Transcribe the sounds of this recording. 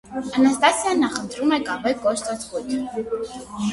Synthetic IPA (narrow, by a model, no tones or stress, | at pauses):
ɑnɑst̪ɑsjɑnːɑχənt̪ʰɾumɛkɑvɛkɔʃt̪ɑt͡skujt̪ʰ